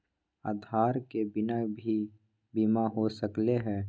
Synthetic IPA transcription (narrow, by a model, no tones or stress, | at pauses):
aːd̪ʱaːɾkebɪnabʱi | bimaɦosəkleɦɛː